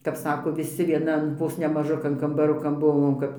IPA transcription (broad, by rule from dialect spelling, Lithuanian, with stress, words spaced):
kɐp ˈsɑːkoː ʋʲɪˈsʲɪ ʋʲiɛˈnɐn ˈʋoːs nʲɛ mɐˈʒʊkɐn kɐmbɐˈrʊkɐn ˈbʊʋoːm kɐp